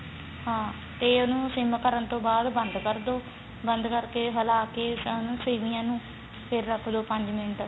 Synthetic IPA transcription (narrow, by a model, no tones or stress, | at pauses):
ɦãː | t̪eːʊnũːsɪmkəɾənt̪õːbaːd̪bənd̪kəɾd̪oː | bənd̪kəɾkeːɦəlaːkeːʊnũːseːmɪjãːnũː | pʰɪɾːəkʰd̪oːpəɲd͡ʒmɪnʈ